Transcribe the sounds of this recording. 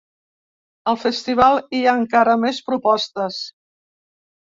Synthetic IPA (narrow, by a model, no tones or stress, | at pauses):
əlˠfəst̪iβ̞alˠiaŋkaɾəmɛspɾupɔst̪əs